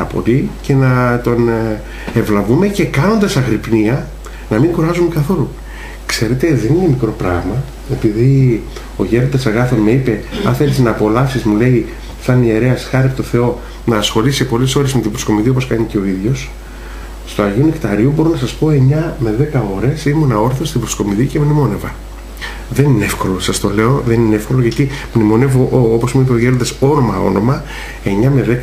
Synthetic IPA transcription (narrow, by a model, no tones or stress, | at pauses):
ɐpo̞̰lice̞nɐt̪o̞n | e̞vlɐvume̞ce̞kɐno̞nd̪ɐsɐɣɾipniɐ | nɐmiŋɡoɾɐzumekɐθo̞lu | kse̞ɾe̞t̪e̞ðe̞nine̞mikɾo̞pɾɐɣmɐ | e̞piði | o̞ʝeɾod̪ɐsɐɣɐθo̞nme̞ipe̞ɐnθe̞lisnɐːpo̞lɐfsizmule̞i | θɐnie̞ɾe̞ɐsxɐɾiɐpot̪o̞θe̞o̞ | nɐːsxo̞lisipo̞leso̞ɾe̞zme̞t̪ibɾosko̞miðio̞poskɐɲice̞o̞iðʝo̞s | st̪uɐʝeunikt̪ɐɾiubo̞ɾonɐsɐspo̞e̞ɲɐme̞ðe̞kɐo̞ɾe̞simonɐo̞ɾθost̪ibɾosko̞miðicemnimo̞ne̞vɐ | ðe̞nineefko̞lo̞sɐst̪o̞le̞o̞ðe̞nineefko̞loʝɐt̪imnimo̞ne̞voʔopo̞zmuipe̞o̞ʝe̞ɾond̪ɐso̞no̞mɐo̞̰no̞mɐ | e̞ɲɐme̞ðek